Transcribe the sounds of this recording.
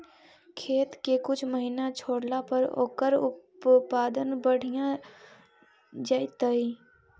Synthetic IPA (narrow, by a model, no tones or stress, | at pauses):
kʰeːt̪kekʊt͡ʃʰməɦinat͡ʃʰoːɽlapəɾo̰ːkəɾʊpaːd̪ənbəɽ̤ijã | d͡ʒaːɪt̪əi